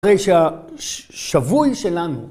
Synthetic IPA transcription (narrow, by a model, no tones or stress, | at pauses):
ʁejʃea | ʃavujʃelanu